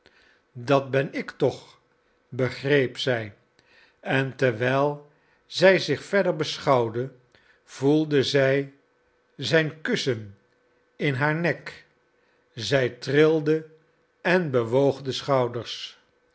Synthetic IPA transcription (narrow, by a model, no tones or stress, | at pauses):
dɑt̚bɛnɪktɔχ | bəχrejpsɛj | ɛntɛɹʋɛːlˠ | zɛjzɪχfɛɹdəɹbəsχɑwdə | v̥ulˠdəzɛj | zɛjnkɵsən | ɪnɦaːɹnɛk | zɛjtrɪlˠdə | ɛnbəʋowχdəsχɑwdəɹs